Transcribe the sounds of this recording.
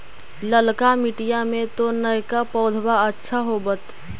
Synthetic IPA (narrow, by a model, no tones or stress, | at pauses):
ləlkamiʈijamẽt̪onəjkapɔːd̪ʱbaətːʃʰaɦobət̪